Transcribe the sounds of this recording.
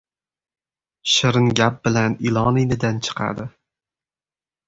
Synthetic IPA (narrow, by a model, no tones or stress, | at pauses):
ʃɪɾɪnɡʲap̚bɪlanɪlˠɒnijnɪd̪ant͡ʃʰɨ̥qʰɑ̰d̪ɪ